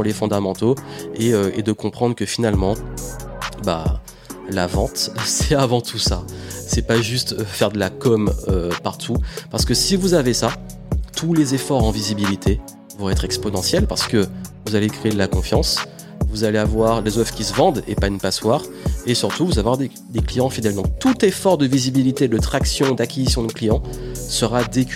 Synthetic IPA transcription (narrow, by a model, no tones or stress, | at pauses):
pulefɔ̃d̪amɑ̃t̪oeøed̪əkɔ̃pχɑ̃d̪ʁkəfinalmɑ̃ | ba̰ | lavɑ̃t̪sɛavɑ̃t̪ʰusasɛpaʒyst̪øfɛʁd̪əlakɔmøpaʁt̪ʰupaʁsə̥kəsivuzavesa | t̪ulezefɔʁɑ̃vizibilit̪ʰe | vɔ̃ɛt̪χɛkspɔnɑ̃sjɛlpaʁsə̥kəvuzalekχeːd̪əlakɔ̃fjɑ̃s | vuzaleavwaʁlezœfkʲisəvɑ̃d̪ḛpanəpaswaːʁ | esyʁt̪uvuzavwaʁd̪e | d̪eklijɑ̃fid̪ɛld̪ɔ̃k̚t̪ut̪efɔʁd̪əvizibilit̪ed̪ət̪χaksjɔ̃d̪akʲezisjɔ̃d̪əklijɑ̃səʁad̪ek